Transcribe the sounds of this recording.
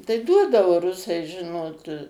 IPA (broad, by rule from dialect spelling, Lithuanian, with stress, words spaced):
tɐɪ ˈduɔdɐʋoː ˈrʊsɐɪ ˈʒʲɪnoːt